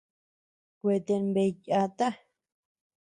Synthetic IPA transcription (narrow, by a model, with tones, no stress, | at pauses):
kʷe˧t̪e˧mbe˧ja˧t̪a˦